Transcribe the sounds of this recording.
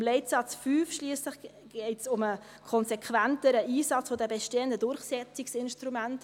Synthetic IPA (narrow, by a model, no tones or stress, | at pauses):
mlɛɪtsɑt͡sfyːfʃliːəsləχ | ɡ̥ɛɪtsʊmə | kʰɔnsɛkʰvæntəɾəʔiːsɑt͡sfodɛbɛʃteːəndədʊɾχsɛt͡siksɪnʃtɾumænt